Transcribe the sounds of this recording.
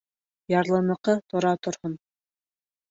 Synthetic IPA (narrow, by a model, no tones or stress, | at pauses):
jɑɾlˠɤ̆nɤ̆qɤt̪ŏɾɑt̪ŏɾhɤn